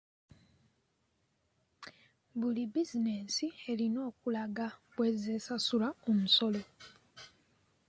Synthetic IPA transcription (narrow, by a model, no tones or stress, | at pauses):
βulibizine̞sie̞lino̞ːkulaɡaβwe̞zeːsasulaomuso̞lo̞